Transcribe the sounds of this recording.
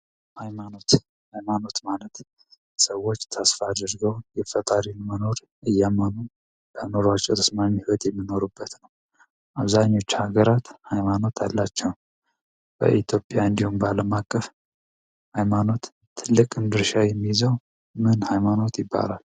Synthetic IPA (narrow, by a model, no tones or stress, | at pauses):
hajmano̞t̪ | hajmano̞t̪malət̪ | səwːo̞t͡ʃːt̪ʰasfad̪əɾɡəwjɛfət̪ʼaɾinməno̞ɾ | ʔɨjamanu | bəno̞ɾat͡ʃʼːɛt̪ʰəsmaɲːhiwɔt̪jɛmːino̞ɾubːət̪nəw | ʔaβzaɲːo̞t͡ʃːhaɡəɾat̪hajmano̞t̪ʰalːat͡ʃːɛw | b̥ə̰ʔit̪ʰjopʼjaɨnd̪ihumbaləmakʼːəf | hajmano̞t̪ | t̪ʰːɨlːɨkʼɨnd̪ɨɾʃajɛmːijzəw | mɨnhajmano̞t̪jɪbːa̰la̰l